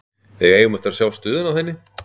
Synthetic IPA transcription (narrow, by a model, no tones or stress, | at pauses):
θɛɣeːjɣʏmɛht̪aɾasjawst̪ʏːðʏnawhɛnːɪ